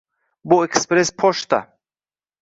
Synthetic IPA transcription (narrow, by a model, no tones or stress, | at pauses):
boekspɾespʰɔʃt̪a̰